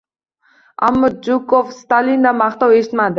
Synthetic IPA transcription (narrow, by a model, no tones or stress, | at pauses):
a̰mːəd͡ʒukofst̪alʲind̪ɑmɑχt̪ɑweʃɪ̥t̪mad̪ɪ